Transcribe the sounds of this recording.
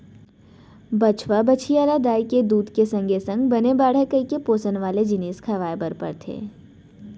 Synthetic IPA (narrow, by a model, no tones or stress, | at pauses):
bɐt͡ʃʰʋabət͡ʃʰijaːɾad̪aːiked̪uːd̪kesɐ̃ŋɡesə̃ŋɡbɐnebaːɽ̤ekəikepoːsənʋaːled͡ʒɪniːskʰaʋaːebəɾpə̰ɾt̪ʰḛː